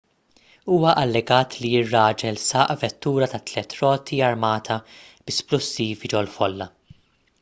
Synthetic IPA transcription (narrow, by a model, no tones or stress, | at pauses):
uːwɐʔɐlːɛɡɐːt̪lijɪrːɐːd͡ʒɛlsɐːʔvɛt̪ːuːɾɐt̪ɐt̪ːlɛt̪ɾɔːt̪ʰiɐɾmɐːt̪ʰɐ | bɪsplʊsːiːvid͡ʒɔwlfɔlːɐ